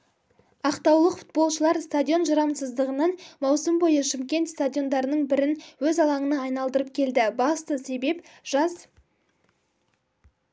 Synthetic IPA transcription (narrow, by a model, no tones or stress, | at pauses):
ɑqt̪ɑwlˠəqfu̥t̪̚bo̞lˠʃəlˠɑɾst̪adʲio̞nʒɑɾɑmsəzd̪əʁənɑnmɑwsəmbo̞jəʃɪmkʲe̞nt̪st̪adʲio̞nd̪ɑɾənəɴbɪɾɪnwɵzɑlˠɑɴənɑːjnɑlˠd̪əɾəp̚kʲʰe̞ld̪ɪbɑst̪əse̞be̞pʒ̥ɑz